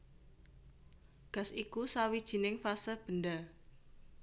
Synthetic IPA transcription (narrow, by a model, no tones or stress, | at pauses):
ɡ̥a̤sikusawid̥ʒ̥i̤nɪŋfasəb̥ənda